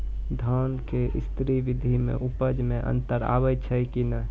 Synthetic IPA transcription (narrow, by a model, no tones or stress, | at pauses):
d̪ʱənkeʔist̪ɾiʋid̪ʱimḛʔupəd͡ʒmeʔə̰nt̪əɾa̰βɛt͡ʃʰəkinə